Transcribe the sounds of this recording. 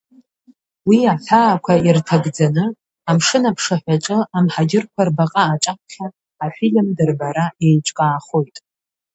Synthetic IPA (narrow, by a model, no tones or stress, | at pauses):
wiaħaːkʷʰairtʰaɡd͡zanɨ | amʂɨnapʰʂaħᶣʷaʈ͡ʂʼɨamħaɡʲɪrkʷʰarbaqʼaːʈ͡ʂʼap̚ʰχʲaː | filmdɨrbaɾaejʈ͡ʂʼkʼaːχojtʼ